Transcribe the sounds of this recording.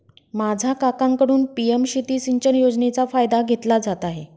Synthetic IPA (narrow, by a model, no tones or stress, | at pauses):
mad͡zʱakakãŋkəɽuːnpiemɕit̪isiɲt͡ɕənjod͡znet͡safajd̪aɡʱet̪lad͡zat̪aɦe